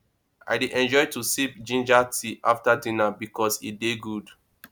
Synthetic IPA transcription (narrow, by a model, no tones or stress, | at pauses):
ʔa̰ɪdiʔɛ̃nd͡ʒɔjtusipd͡ʒĩnd͡ʒatʰiʔa̰ftadĩnabikɔsideɡud